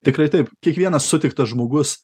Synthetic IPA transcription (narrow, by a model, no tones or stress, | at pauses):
t̪ʲɪkɾɐɪt̪ɐɪpkʲiɛkʋʲiɛnɐssʊt̪ʲɪk̚t̪ɐʒmoːɡʊs